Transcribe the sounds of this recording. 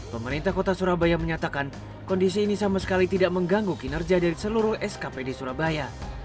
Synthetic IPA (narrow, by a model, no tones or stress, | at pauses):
pəməɾint̪ahkot̪asuɾabajaməɲat̪akan | kɔndis̬iːnisamasə̥kalit̪idaʔməŋɡaŋɡukinərd͡ʒadaɾisəluɾʊhɛskapedesuɾabaja